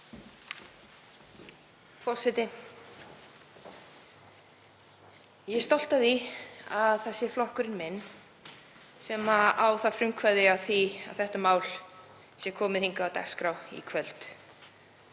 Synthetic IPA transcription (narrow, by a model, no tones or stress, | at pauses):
fɔr̥sɛt̪ɪ | jɛst̪ɔl̥t̪aðiaðθɛsːɪflɔhkʏɾɪnmɛnː | sɛmaawθafɾʏmkʰvaɾðɪaθia̰wθɛht̪amaːwl | sjɛkʰɔːmɪðhiŋkaːwt̪a̰kskɾawḭkʰvɛlt̪